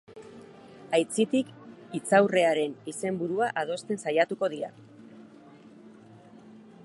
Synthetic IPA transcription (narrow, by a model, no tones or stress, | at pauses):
ajt͡sit̪ikit͡sawre̞aɾe̞nise̞mbuɾuaʔað̞o̞st̪e̞nsajat̪uko̞ðiɾa̰